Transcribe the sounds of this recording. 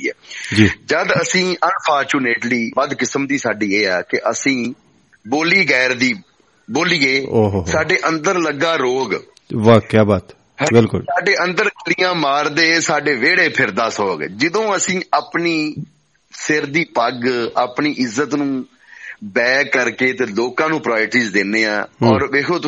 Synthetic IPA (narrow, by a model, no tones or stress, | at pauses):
iːɛ̰ːd͡ʒiːd͡ʒəd̪əsĩːʔənpʰaːɾt͡ʃuːneːʈliːpəd̪kɪsəmd̪iːsaːɖiːeːɛːkɪʔəsĩː | boːliːɡɛːɾd̪iː | boːliːeːoːɦsaːɖeːʔə̃nd̪əɾləɡaːɾoːɡ | ʋaːkjaːbaːt̪ | bɪlkʊlsaːɖeːʔənd̪əɾlijãːmaːɾd̪eːsaːɖeːʋeːɽeːpʰɪɾd̪aːsɔːɡd͡ʒɪd̪õːəsĩːaːpniː | sɪɾd̪iːpəɡaːpniːʔɪzːət̪nũː | bɛːkːəɾkeːt̪eːloːkãːnũːpɾaːɪɾʈiːzd̪enːeːã̰ːɔːɾʋeːkʰoː